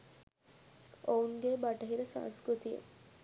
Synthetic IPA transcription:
ouŋɡebaʈəɦiɾəsã̰ːŋskɾut̪ijə̰

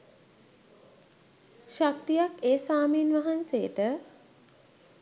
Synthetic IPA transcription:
ʃak̚t̪ijakeːsaːmiːnʋaɦansejəʈə

